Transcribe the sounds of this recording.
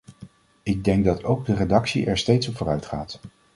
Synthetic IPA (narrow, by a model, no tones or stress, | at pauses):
ɪɡ̚dɛŋɡ̚dɑtʰowɡ̚dəredɑksḭʔɛɹstejtsɔpv̥ʊːɾœɥtχa̰ːt